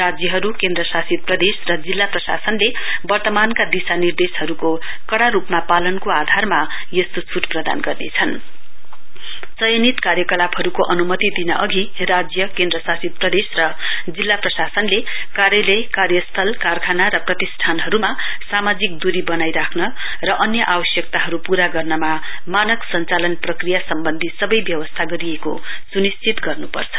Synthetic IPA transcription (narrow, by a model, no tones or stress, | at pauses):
rad͡zjʌɦʌɾukẽnd̪rʌsasit̪̚prʌd̪esrʌd͡zilːaprʌsa̰sʌnle | bʌrt̪ʌmankad̪isanird̪esɦʌɾuko | kʌɽaɾupmapalʌnkoad̪ʱarma | jest̪ot͡sʰuʈprʌd̪a̰nɡʌrnḛt͡sʰʌn | t͡sʌjʌnit̪karjʌkʌlabɦʌɾukoʔʌnumʌt̪id̪inʌʔʌɡʱirad͡zjʌkẽnd̪rʌsasid̪̚prʌd̪esrʌd͡zilːaprʌsasʌnlekarjʌlʌjkarjʌst̪ʰʌlkarkʰanaɾʌprʌt̪isʈʰanɦʌɾuma | samad͡zik̚d̪uɾibʌnajɾakʰnʌ | rʌʔʌnjʌʔabʌsjʌk̚t̪aɦʌɾupuɾaɡʌrnʌma | manʌksʌnt͡salʌnprʌkrijasʌmbʌnd̪ʱisʌbʌjbjʌwʌst̪ʰaɡʌɾijeko̰sunist͡sit̪ɡʌrnupʌ̰rt͡sʰʌ̥